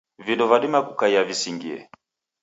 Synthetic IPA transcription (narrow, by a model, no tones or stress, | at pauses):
vidɔvaɗimakukaiavisiŋɡiɛ̰